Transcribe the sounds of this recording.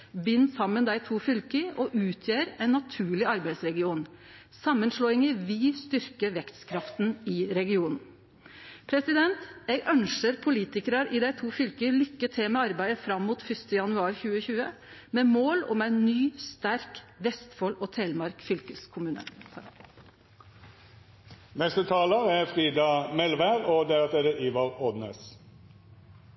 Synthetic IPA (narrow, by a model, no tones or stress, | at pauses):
ʋɪnːsɑmːənd̪æɪt̪ʰuːfʏlkəɔʔʉːt̪ʰjeːɾæɪnːɑt̪ʰʉːɭɪɑɾbæɪsɾɛɡɪuːn | sɑmːənʂɭoːɪŋəʋist̪ʏɾkəʋɛkt̪skʰɾɑft̪n̩ɪɾɛɡɪuːnn̩ | pʰɾɛsɪd̪ɛnt̪ɛɡœnʂəɾpʰʊliːt̪ɪkəɾɑɾɪd̪æɪt̪ʰuːfʏlkəlʏkːət̪ʰɛmɛɑɾbæɪd̪əfɾɑmːmuːt̪fʏst̪əjɑnʉɑːɾçʉːəçʉːə | meːmoːlɔ̰mæɪnːyːst̪æɾkʋɛst̪fɔlɔːt̪ʰeːlmɑɾkfʏlkəskʰʊmʉːnə̰ | nɛst̪ət̪ʰɑːləæfʁiːd̪ɑmɛlʋæɾoːd̪ɛɑt̪eːɾəʔiːʋɑʁɔd̪neːs